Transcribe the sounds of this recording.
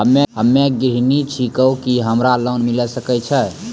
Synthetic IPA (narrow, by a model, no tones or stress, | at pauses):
ɦəmːeɦəmːeɡɾɦinit͡ʃʰikəwkiɦəmɾalənmilɛsəkɛt͡ʃʰɛ